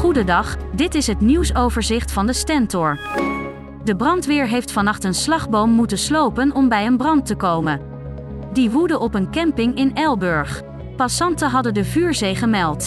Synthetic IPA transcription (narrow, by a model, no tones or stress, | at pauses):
χudədɑχdɪtɪsɦətniwsowvəɹzɪχtfɑndəstɛntɔɹ | dəbrɑntʋɪːɹɦejftfɑnɑχtənslɑχbowmːutənslowpənɔmbɛjənbrɑntəkowmən | diʋudəʔɔpənkɛmpɪŋɪnɛlˠbɵɹχ | pɑsɑntəɦɑdəndəvyːɹzejχəmɛlˠt